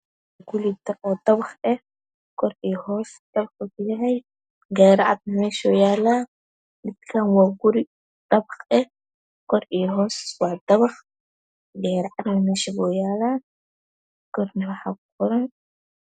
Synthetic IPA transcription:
ɡʊlid̪ɔd̪ɐβɑχɛ | kʰɔɾiːhɔːsd̪̥ɐβɑχɔkʰʊjɐɦɛj | ɡɛːɾʕa̰d̪̚nɐmɛːʃɔːjaːlaː | mɪd̪kʰanwaːɡʊɾɪ | d̪̥ɐbɑχɛ | kʰɔɾiːɦɔːswɑːd̪ɐβɑχ | ɡɛːɾʕad̪nɐmɛːʃɛβɔːjaːlaː | kɔrnɐwɑħa̰ːkʊqɔɾɐn

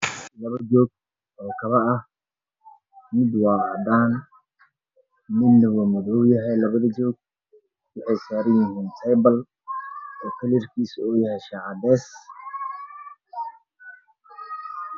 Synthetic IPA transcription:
lɐβɐd͡ʒɔːɡ̚ | ʔɔːkʰɐβɐɐh | mɪd̪wɑːɑd̪aːn | mɪd̪ɐwɔmɐðɔwjɐɦɛjlɐβɐðɐd͡ʒɔːɡ̚ | wɑħɑjsaːɾɐjɪɦiːnt̪ʰɛjbɐl | ʔɔːk̪ʰɐlirkʰiːsɔːjɐɦɛjʃaːʕɑd̪ɛːs

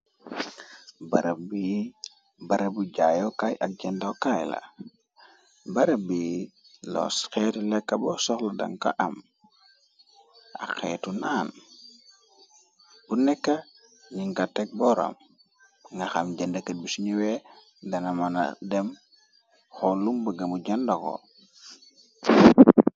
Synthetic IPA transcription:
baɾabi | baɾabuɟajokajʔak̚ɟɛndaokajla̰ | baɾabi | lɔ̰sxɛtulɛkːabɔsɔxluda̰ŋka̰ʔam | ʔa̰xɛːtunaːn | bunɛkːa | ɲiŋkatːek̚bɔɾa̰m | ŋɡaxamɟendakat̚bisuɲiwe | danamana̰dem | xolumbaɡamuɟandako̰

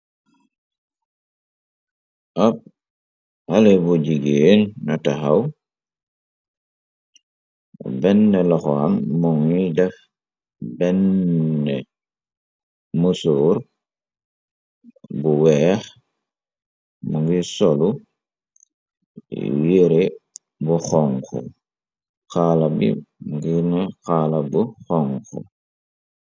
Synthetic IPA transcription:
ʔap̚ | halɛbuɟiɡeːnnataxaw | bɛnːɛlɔxɔamːɔŋidɛf | bɛnːɛ | musuːɾ | buwɛːx | muŋɡisɔlu | weɾe | buxɔŋkṵ | xaːlabḭmuŋɡinɛxaːlabuxɔŋkṵ

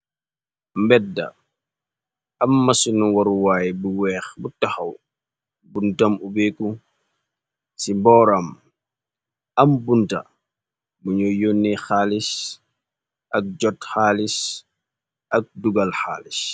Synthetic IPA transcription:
mbɛdːa̰ | amːasunuwɔɾuwaːjibuwɛːxbutaxaw | buntamubɛku | simbɔːɾam | ambunta̰ | muɲɔjonːixaːlis | ʔak̚d͡ʒɔtxaːlis | ʔak̚duɡalxa̰ːlis

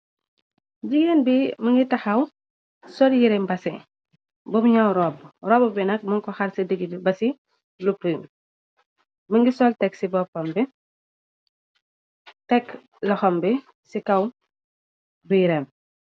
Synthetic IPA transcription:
ɟiɡeːnbimɐŋɡitɐxɐw | sɔljiɾɛmbɐsɛ | bɔbɲawɾɔːbɾɔːbɐbɛnɐk̚muŋkɔxɐɾsɐdəɡidibɐsi | lupum | mɐŋɡisɔltɛksibɔpɔmbi | tɛk | lɐxɔmbi | sikɐw | bujiɾɛːm

